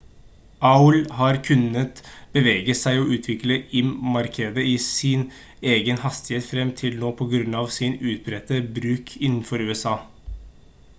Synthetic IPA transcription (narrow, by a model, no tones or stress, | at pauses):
ʔɑʊʉlhɑːɾkʰʉnət̪b̥əʋeːɡəsæɪɔʔʉːt̪ʰʋɪkləɪmmɑɾkʰəd̪əiːsɪn | eːɡənhɑst̪ɪheːt̪fɾɛmt̪ʰɪlnoːpʰɔɡɾʉnɑːʋsɪnʉːt̪̚bɾɛt̪ːəbɾʉːkʰɪnn̩fɔɾʉːɛsɑː